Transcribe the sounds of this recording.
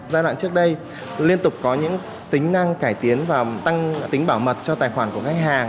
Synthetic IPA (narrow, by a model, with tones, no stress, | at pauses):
zaː˧jlw̰a̰ː˧˨nt͡ɕɨ˦˥ək̚ɗə˧j | li˧ənt̪ʊ˨˩k͡p̚kɔ˨˦ɲɨ̰˧˥ŋ | t̪ï˨˦ŋ̟na˧ŋkaː˧˩jt̪i˨˦ənvaː˨˩t̪a˧ŋt̪ï˨˦ŋ̟ɓaː˧˩wmə˨˩t̚t͡ɕɔ˧t̪aː˨˩jxwaː˧˩nku˧˩əxa˦˥k̚haː˨˩ŋ